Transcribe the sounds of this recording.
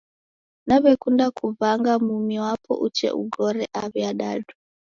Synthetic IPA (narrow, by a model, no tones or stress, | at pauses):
naβɛkundakʰuvaŋɡamumiwapʰɔ̰ʔut͡ʃɛ̰ʔṵɡɔɾɛʔaβiaɗadu